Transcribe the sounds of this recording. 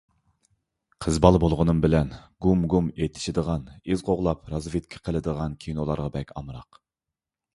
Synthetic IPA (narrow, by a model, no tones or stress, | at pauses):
qʰəzbɑlˠbolˠʁənɨmbɪlɛnɡumɡumet̪ʰːɪ̥ʃɪd̪əʁɑnizqoʁlˠɑpɾɑzvɨt̪̚kʲʰɪ̥qʰəlˠɨd̪əʁɑnkʲʰinolˠɑ̰ɾʁɑbɛkʲɑmɾɑ̰q